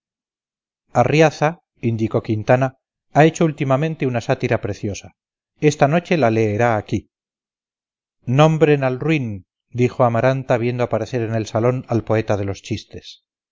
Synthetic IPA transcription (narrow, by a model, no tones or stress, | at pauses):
arjaθa | ind̪iko̞kint̪ana | ae̞t͡ʃoult̪imamẽnt̪e̞unasat̪iɾapɾe̞θjo̞sa | e̞st̪ano̞t͡ʃe̞lale̞ːɾaːki | nõ̞mbɾe̞nalrwin | d̪iχo̞amaɾant̪aβ̞je̞nd̪oapaɾe̞θe̞ɾe̞ne̞lsalo̞nalpo̞e̞t̪aðe̞lo̞st͡ʃist̪e̞̥s